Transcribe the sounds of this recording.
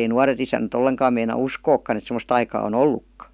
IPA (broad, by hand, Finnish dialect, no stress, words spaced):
ei nuɑret isænæt olːeŋkɑːm meinɑ uskoːkːɑn et semə̆st ɑikɑː on olːukːɑ